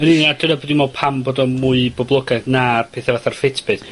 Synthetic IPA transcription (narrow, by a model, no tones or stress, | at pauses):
əniniad̥ɨnabodimɔpʰamboːdɔmuɨbɔblˠɔɡadnarpʰeθɛvaθarfɪtʰb̥ɨθ